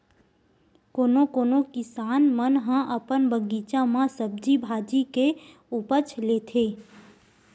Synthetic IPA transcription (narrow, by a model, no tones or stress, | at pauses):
koːnokoːnokɪsaːnmənɦãʔəpənbəɡiːt͡ʃãmãsəb̚d͡ʒibʱaːd͡ʒike | upət͡ʃʰleːt̪ʰeː